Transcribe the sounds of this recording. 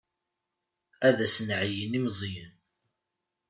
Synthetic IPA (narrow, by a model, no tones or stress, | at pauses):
æðæsnʕjənimzˤjən